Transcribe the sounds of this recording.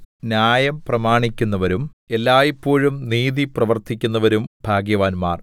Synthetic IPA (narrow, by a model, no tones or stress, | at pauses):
njaːjɐmprɐmaːɳikʲːunːɐʋɐɾume̞lːaːjipːo̞ːɻumniːðiprɐʋɐrt̪ʰikʲːunːɐʋɐɾumbʱaːɡjɐʋaːnmaːr